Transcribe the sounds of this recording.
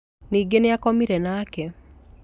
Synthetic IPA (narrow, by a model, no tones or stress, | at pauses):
niɡeneakomiɾɛnaːkɛ